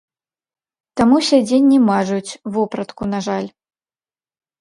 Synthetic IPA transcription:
t̪amusʲad͡zʲenʲːimaʐut͡sʲvɔpɾɐt̪kunaʐalʲ

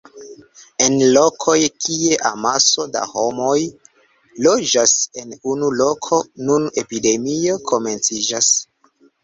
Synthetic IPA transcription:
e̞nlo̞kʰo̞jkie̞ʔamaso̞da̰ho̞mo̞j | lo̞d͡ʒase̞nunulo̞kʰo̞nune̞pide̞mio̞kʰo̞me̞nt͡sid͡ʒas

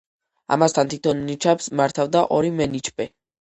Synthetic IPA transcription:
a̰mast̪ʰant̪ʰit̪ʰɔnnit͡ʃʰɛpsmaɾt̪ʰavd̪aʔɔɾimɛnit͡ʃʰpʼɛ

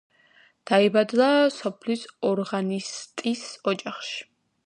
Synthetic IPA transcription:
d̪̥aibad̪lˠasɔpʰlisɔɾʁanist̪ʼisɔd͡ʒaχʃi̥

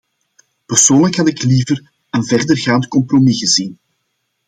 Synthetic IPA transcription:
pərsoːnləkɦɑtɪkliːvər | ənvɛrdərɣaːnt̪kɔmpromiɣəzin

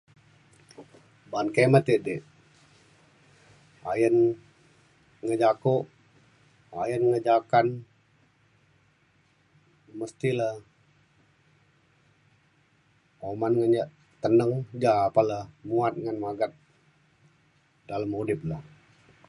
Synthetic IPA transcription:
bankemət̪iʔdɛʔ | ajən | ŋəd͡ʒakʊʔ | ajənŋəd͡ʒakan | məst̪ilah | omanŋəɲaʔ | t̪ənəŋd͡ʒaːpalahmuat̪̚ŋanmaɡat̪̚ | d̥aləmudɪp̚lah

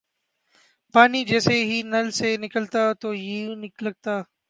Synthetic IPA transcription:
paːnid͡ʒɛːseɦinɐlsenɪkəlt̪at̪oːjinɪklɐɡ̚t̪aː

